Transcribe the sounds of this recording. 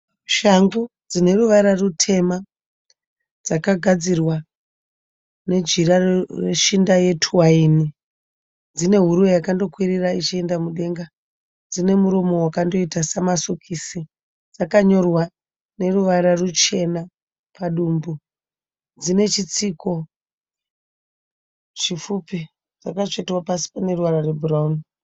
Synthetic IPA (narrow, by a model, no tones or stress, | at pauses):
ʃaŋɡud͡zine̞ruʋaɾarutʰe̞ma | d͡zakaɡʱad͡zirwa | ne̞d͡ʒirareʃindaje̞tʰuwaiːni | d͡zine̞ɦuɾuwejakando̞kwiɾirait͡ʃie̞ndamuɗe̞ŋɡa | d͡zine̞muɾumo̞wakando̞itasamasokʰisi | d͡zakaɲo̞rwa | ne̞ruʋaɾarut͡ʃe̞na | paɗuːmbu | d͡zine̞t͡ʃit͡siko̞ | t͡ʃifupi | d͡zakat͡ʃetwapasi̥pane̞ruʋaɾare̞burauni